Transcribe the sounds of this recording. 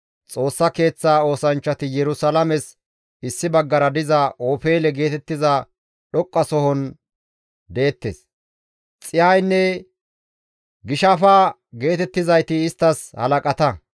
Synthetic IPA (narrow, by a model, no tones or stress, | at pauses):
t͡sʼo̞ːsːɐke̞ːt͡sːaːo̞ːsɐnt͡ʃːɐt̪ɪjɛɾʊsɐlɐmɛs | ɪsːɪbɐɡːɐɾɐd̪ɪzɐʔoːfeːlɛɡe̞ːt̪ɛt̪ːɪza | ɗɔkʼːɐsɔhɔn | d̪e̞ːt̪ːeːs | t͡sʼɪjajnːɛ | ɡɪʃɐfaː | ɡe̞ːt̪ɛt̪ːɪzɐjt̪ɪːst̪ːɐshɐ̰lɐkʼɐt̪ɐ